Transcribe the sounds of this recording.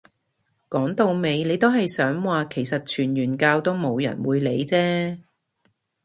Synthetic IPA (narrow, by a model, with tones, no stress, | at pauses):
kɔː˨˥ŋt̪o˧wme˨˧jne˨˧jt̪o˥wɦɐ˨jsœː˨˥ŋwaː˨kʰe˨˩jsɐ˨t̚t͡ʃʰyː˨˩njyː˨˩nkaː˧wt̪o˥wmo˨˧wjɐ̰˨˩nwuː˨˧jle˨˧jt͡sɛː˥